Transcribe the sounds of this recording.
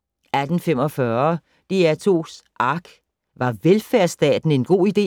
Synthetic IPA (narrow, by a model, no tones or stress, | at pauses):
æd̥n̩fem̰ɒ̽fɶɐ | d̥iæt͡sʰo̝ːsʔɑ̈ɡ̥ | ʋɑ̈ʋelfæɐsd̥ɛ̰ːd̥n̩e̝nɡ̥o̝̰ːid̥e̝̰ː